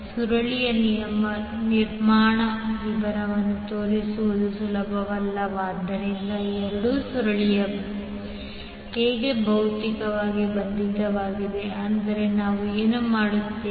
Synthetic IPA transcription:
suɾɐɭijɐnɐmɐniɾmaːɳɐʋiʋɐɾɐʋɐnːut̪oːɾisuʋɐd̪usulɐbʱɐʋɐlːɐʋaːd̪ɐɾind̪ɐɛɾɐɽusuɾɐɭijɐ | ɦeːɡebʱɐwt̪ikɐʋaːɡibɐnd̪id̪ɐʋaːɡid̪e̞ɐnd̪ɐɾe̞naːʋueːnumaːɽut̪ːeː

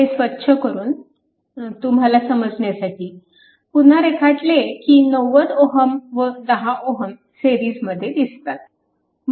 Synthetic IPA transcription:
esʋət̪ːɕʰəkəɾuːn | t̪umɦalasəməd͡zɳjasaʈiː | pun̤aɾekʰaʈlekiːnəʋət̪oɦəmʋəd̪əɦaʔoɦəm | seɾiːd͡zməd̪ʱːjed̪ist̪at̪̚ | m

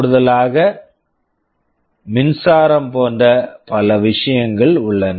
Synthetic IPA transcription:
ɽɯðɐlaːɣɐ | mɪnsaːɾɐmpoːndɐpɐlɐʋɪʂɐjɐŋɡɐɭʊɭːɐnɐ

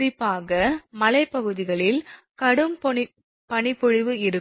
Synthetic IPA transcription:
ɾɪpːaːɣɐmɐlɐɪpːɐɣɯðɪɣɐɭɪl | kɐɽɯm | pɐɳɪpːɔɻɪʋɯɪɾɯ

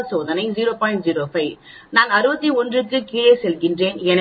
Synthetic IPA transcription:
soːðɐnɐɪziːɾoːpaːɪɳʈziːɾoːfɐɪ | naːnɐɾɯbɐt̪ːiɔndrɯkːɯkiːɭeɪsɛlɣɪndreːnɛn

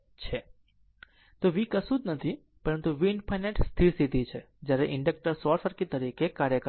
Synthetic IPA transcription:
t͡ʃʰe | t̪oʋikəsut̪nət̪ʰi | pəɾənt̪uʋiɳpʰajneʈst̪ʰiɾsid̪ʱit͡ʃʰe | d͡ʒjaɾeʔɪ̃ɳɖək̚ʈəɾsɔɾfəɾkit̪əɾikekaɾjəkə

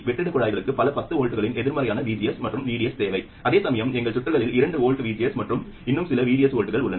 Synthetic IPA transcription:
ʋɛʈːɪɽɯkːɔɻaːjɪɣɐɭɯkːɯpɐlɐpɐt̪ːɯoːɻʈɯɣɐɭɪnɛðɪɾmɐɾɐjaːnɐʋiːd͡ʒɪjɐsmɐʈrɯmʋiːɽɪjɐst̪eːʋɐɪ | ʔɐðeːsɐmɐjɐmɛŋɡɐɭsʊʈːɐɾɣɐɭɪlɪɾɐɳɖɯoːɻʈɯʋiːd͡ʒɪjɐsmɐʈrɯm | ɪnːɯmsɪlɐʋiːɽɪjɐsoːɻʈɯɣɐɭʊɭːɐn

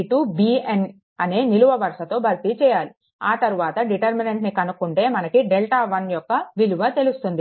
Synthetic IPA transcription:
ʈubiːen | ɐneːniluʋɐʋɐɾʂɐt̪o̞ːbʱɐɾt̪it͡ʃɛːjaːli | aːt̪ɐɾuʋaːt̪ɐɖiʈɐɾmineɳʈnikɐnukuɳʈe̞ːmɐnɐkiɖelʈaːʋɐnjɔkːɐʋiluʋɐt̪e̞lust̪und̪i

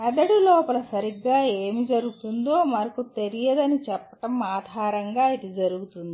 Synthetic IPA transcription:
ɐɖ̪ɐɽulɔːpɐlɐsɐɾiɡːaːe̞ːmid͡ʒɐɾuɡut̪und̪oːmɐɾɐkut̪e̞ɾijɐd̪ɐnit͡ʃɛpːɐ̥ʈɐmaːd̪ʱaːɾɐŋɡaːid̪id͡ʒɐɾuɡut̪und̪i

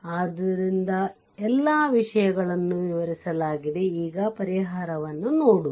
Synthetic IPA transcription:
aːd̪ɐɾind̪ɐ | ɛlːaːʋiʂɐjɐɡɐɭɐnːuʋiʋɐɾisɐlaːɡid̪e̞iːɡɐpɐɾiɦaːɾɐʋɐnːunoːɽu

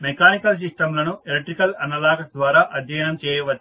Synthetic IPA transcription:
mekaːnikɐls̬isʈɐmlɐnuelekʈːɾikɐlɐnːɐlaːɡɐsd̪ʋaːɾaːʔɐd̪ʱjɐjɐnɐmt͡ʃɛːjɐʋɐt͡ʃː

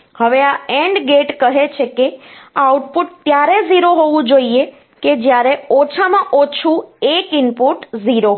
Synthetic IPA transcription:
həʋeaeɳɖɡeʈkəɦet͡ʃʰekeauʈpuʈ̚t̪jaɾeziɾoɦoʋũd͡ʒoie | ked͡ʒjaɾeot͡ʃʰamãʔot͡ʃʰũekɪnpuʈziɾo

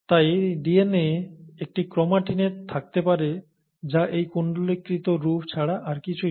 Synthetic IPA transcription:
t̪ajɖieneek̚ʈikɾɔmaʈineʈt̪ʰːak̚t̪epaɾe | d͡ʑaʔejkoɳɖolikɾit̪oɾufʰt͡ɕʰaɽaʔaɾkit͡ɕʰu

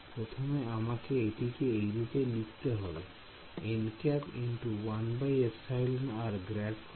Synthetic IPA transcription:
pɾot̪ʰomeamakeeʈikeejɾit̪elikʰt̪eɦɔbe | enkɛpinʈuwanbajepsajlnaɾɡɾɛɖk

